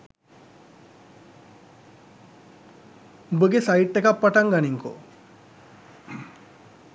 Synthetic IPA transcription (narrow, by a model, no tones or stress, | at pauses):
ubəɡesajiʈːekapːaʈaŋɡaniŋko̰